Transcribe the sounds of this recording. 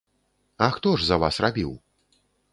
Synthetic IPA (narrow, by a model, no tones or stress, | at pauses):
ɐxt̪ɔʐzɐva̰srabʲiw